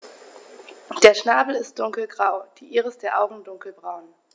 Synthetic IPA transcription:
d̥eːɐʃnaːbl̩ɪst̚d̥ʊŋkl̩ɡʁaʊd̥iːʔiːʁəsd̥eːɐʔaʊɡŋ̩dʊŋkl̩bʁaʊn

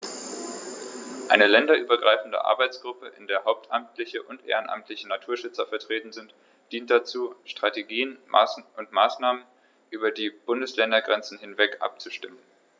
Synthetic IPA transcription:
ʔaɪnəlɛndɐʔyːbɐɡʁaɪfn̩də̰ʔa̰ɐbaɪt͡sɡ̥ʁʊpəʔɪndeːɐɦaʊp̚tʔamtʰlɪçəʔʊntʔḛːʁənʔa̰mtʰlɪçənatʰuːɐʃʏt͡sɐfɛɐtʁ̥eːtn̩zɪnt | d̥iːnt̚d̥at͡suːʃtʁ̥ateɡiːənma̰ʔʊntmaːsnaːmən | ʔyːbɐdiːb̥ʊndəslɛndɐɡʁɛnt͡sn̩hɪnvɛkʔa̰p̚t͡suʃtɪmən

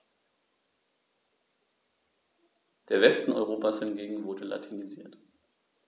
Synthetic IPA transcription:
d̥eːɐvɛstn̩ʔɔʏʁ̞oːpashɪnɡeːɡŋ̩vʊɐdəla̰tʰiniziːɐt

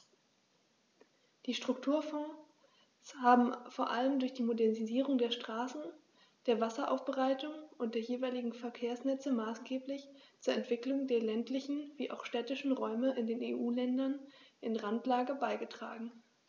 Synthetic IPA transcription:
d̥iːʃtʁ̥ʊktʰuːɐfɔ̃ː | shaːbm̩foːɐʔaləmdʊɐçd̥iːmodɛɐniziːʁʊŋdeːɐʃtʁ̥aːsn̩ | d̥eːɐvasɐʔa̰ʊfb̥əʁaɪtʊŋʔʊntd̥eːɐjeːvaɪlɪɡŋ̩fɛɐkʰeːɐsnɛt͡səmaːsɡ̥eːplɪçt͡suːɐɛntv̥ɪklʊŋdeːɐlɛntlɪçn̩viːʔa̰ʊxʃtɛːtɪʃn̩ʁɔʏməʔɪndeːneːʔuːlɛndɐnʔɪnʁantlaːɡəbaɪɡətʁ̥a̰ːɡŋ̩

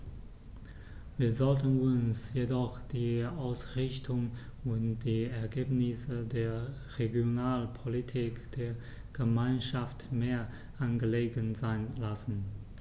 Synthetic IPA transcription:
viːɐzɔltənʊnsjedɔχd̥iːaʊsʁɪçtʰʊŋʊntd̥iːɛɐɡeːpnɪsədeːɐ | ʁeɡjonaːlpʰolitʰiːkd̥eːɐ | ɡ̥əmaɪnʃaftmeːɐ | ʔanɡəleːɡənzaɪnlasn̩

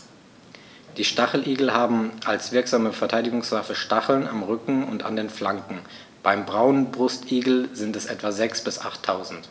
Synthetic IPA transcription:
d̥iːʃtaχl̩ʔiːɡl̩ɦaːbm̩ʔalsv̥ɪɐkz̥aːməfɛɐtʰaɪdɪɡʊŋsv̥afəʃtaχl̩na̰mʁʏkŋ̩ʊ̰nta̰ndeːnflaŋkŋ̩ | b̥aɪmbʁaʊnənbʁʊstʔiːɡl̩zɪntɛsʔɛ̰tv̥azɛksb̥ɪsʔaχtʰːaʊzn̩t

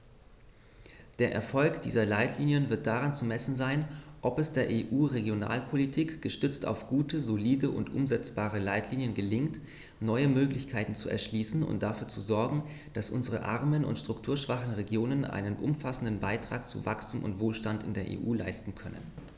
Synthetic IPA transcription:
d̥eːɐʔɛ̰ɐfɔlkd̥ḭːzɐlaɪtʰliːnjənvɪɐt̚d̥aʁ̞ant͡sumɛsn̩zaɪnʔɔpɛsd̥eːɐʔeːʔuːʁeɡjona̰ːlpʰolitʰiːkɡ̥əʃtʏt͡sta̰ʊfɡ̥uːtəzoliːdəʔʊ̰ntʔʊ̰mzɛt͡sb̥aːʁ̞əlaɪtʰliːnjənɡəlɪŋt | nɔʏəmøːklɪçkʰaɪtn̩t͡suɛ̰ɐʃliːsn̩ʊ̰nt̚d̥afyːɐt͡suzɔɐɡŋ̩ | d̥asʔʊ̰nzəʁə̰ʔa̰ʁɐmənʊ̰ntʃtʁ̥ʊktʰuːɐʃv̥aχn̩ʁeɡjoːnənʔa̰ɪnənʔʊ̰mfasn̩dn̩baɪtʁ̥a̰ːk̚t͡sṵvakstʰuːmʔʊ̰ntv̥oːlʃtantɪ̰ndeːɐʔḛːʔuːla̰ɪstn̩kʰœnə̰n

